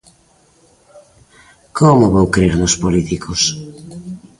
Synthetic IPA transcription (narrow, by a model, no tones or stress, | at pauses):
komoβowkɾiɾnospolit̪ikʰos